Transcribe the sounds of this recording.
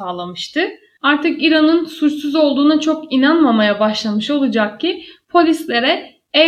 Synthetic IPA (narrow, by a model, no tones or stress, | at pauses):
aːlˠamɯʃt̪ʰɯ | aɾt̪ʰɯkiɾanɯnsut͡ʃsuzo̞lˠd̪uːnat͡ʃʰo̞kinanmamajabaʃlˠamɯʃo̞lˠud͡ʒak̚cipʰo̞lʲislʲe̞ɾɛ | ɛ